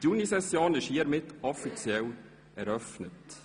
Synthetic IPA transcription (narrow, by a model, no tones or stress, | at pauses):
tunisɛsjoːnɪʃhiːəɾmɪtɔfit͡siɛl | ɛɾœfnət